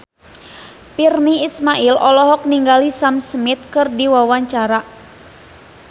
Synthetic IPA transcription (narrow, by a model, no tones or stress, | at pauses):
pirniːsmaʔilʔɔlɔɦɔk̚niŋɡalisamsəmit̪̚kɨrdiwawaɲt͡ʃaɾa